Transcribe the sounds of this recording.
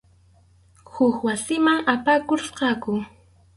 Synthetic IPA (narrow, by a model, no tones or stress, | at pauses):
hʊkwasɪmaŋapakoɾsqɑkʊ